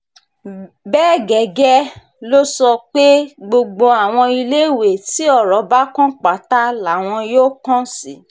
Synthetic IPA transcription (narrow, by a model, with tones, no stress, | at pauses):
bɛː˦˨ɡɛ˨ɡɛ˦ | lo˦sɔ˧k͡pe˦ɡ͡bo˧ɡ͡bo˧a˨w̃ɔ̃˧i˧le˦˨we˨ti˨˦ɔ˦˨ɾɔ˨˦ba˦kɔ̃˦k͡pa˨˦ta˦la˨w̃ɔ̃˧joː˦kɔ̃˦si˨˦˨